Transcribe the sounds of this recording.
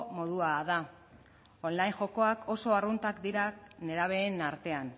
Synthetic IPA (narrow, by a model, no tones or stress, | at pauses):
mo̞ðuaða | o̞nlajŋʝo̞ko̞akʰo̞so̞arunt̪akd̪iɾane̞ɾaβ̞e̞ːnaɾt̪e̞an